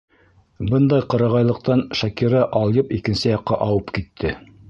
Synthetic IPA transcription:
bɤnd̪ɑjqɤ̆ɾɑʁɑjlˠɤ̆q̚t̪ɑnʃækiɾɑʔɑlˠjɤpikɘ̆nsɘjɑqːɑʔɑwɤpkit̪ʰːɘ

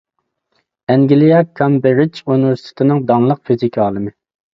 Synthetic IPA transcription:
ɛŋɡʲilijɑkʰɑmbeɾɪt͡ʃunɪvɛɾsi̥t̪ʰɪ̥t̪ʰɪnɪŋd̪ɑŋlˠəq̚fizikʲʰɑːlˠɨmɪ

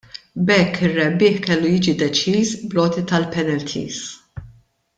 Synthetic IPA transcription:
bɛkʰːɪrːɛbːɪːħkɛlːujiːd͡ʒid̪ɛt͡ʃiːsblɔːt̪it̪ɐlpɛnɛlt̪ʰḭːs

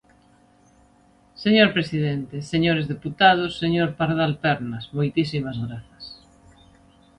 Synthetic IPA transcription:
seɲoɾpɾesiðent̪eseɲoɾezðeput̪að̞osːeɲoɾpaɾðalpeɾnasmojt̪isimazɣɾaθḁs

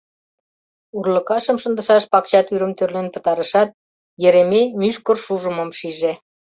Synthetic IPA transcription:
urlə̆kɑʃəmʃənd̪əʃɑʃpɑkt͡ɕɑt̪yɾəmt̪ørlenpə̥̆t̪ɑɾəʃɑt̪̚ | jeɾememyʃkə̆rʃuʒəməmʃiʒe

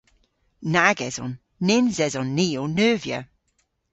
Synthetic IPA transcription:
naɡɛzɔ̰nː | ɪnzɛzɔnːiːonœːvjə̰

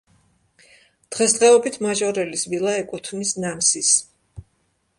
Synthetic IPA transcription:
d̪̥ʁɛsd̪ʁɛɔbit̪ʰmaʒɔɾɛlisvilˠaɛkʼut̪ʰvnisnansis

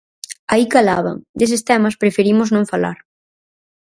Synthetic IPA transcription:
aikalaβɐ̰ŋd̪esest̪ɛmɐspɾefeɾimʊznõŋfala̰ɾ

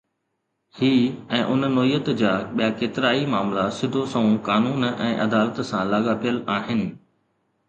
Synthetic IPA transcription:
hiːɛ̃ːʔʊnnɔːijːət̪d͡ʑaːɓijakeːt̪ɪɾaːimaːmlasɪd̪ʱosɐũkaːnuːnɛ̰̃ːʔɐd̪aːlət̪sãlaːɠapʰijəlaːɦɪnɪ̆

